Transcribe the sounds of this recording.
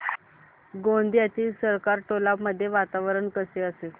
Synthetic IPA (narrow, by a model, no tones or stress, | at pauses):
ɡõnd̪jat̪iːsəɾkaɾʈolabməd̪ʱːjeʋat̪aʋəɾəɳkəseəse